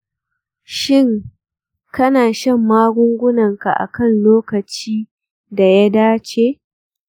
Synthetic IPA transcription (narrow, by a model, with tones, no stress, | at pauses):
ʃɪ˦˨ŋ | kɐ˦naː˨ʃɐ˦˨mːaː˦ɡʷʊ˦ŋɡʷʊ˦nɐ˨ŋka˨ʔa̰˨kɐ˦˨nloː˦kɐ˨t͡ʃiː˦ | da˨ja˦daː˦t͡ʃeː˦